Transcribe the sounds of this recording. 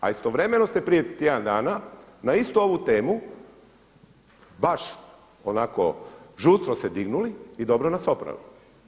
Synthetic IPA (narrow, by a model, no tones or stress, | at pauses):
a̰ist̪oʋɾe̞me̞nost̪epɾije̞t̪jed̪and̪aːnanaist̪uo̞ʋut̪e̞ːmu | baʃ | onaːkoʒust̪ɾosed̪iɡnuliid̪o̞bɾonasopɾa̰ʋḭ